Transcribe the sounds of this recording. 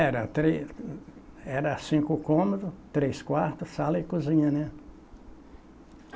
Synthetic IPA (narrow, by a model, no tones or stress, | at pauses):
ɛɾɐt̪ɾe | ɛɾɐsĩkʊkõmod̪ʊt̪ɾejskwaɾt̪ʊsalɐɪkuzĩɲɐnɛ